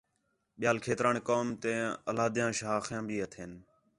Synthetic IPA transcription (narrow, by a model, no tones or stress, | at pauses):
ɓɪjaːlkʰeːt̪ɾaːɳːkoːmt̪ẽːəlaːd̪jãːʃɦaːxjãːbʱiːət̪ʰeːn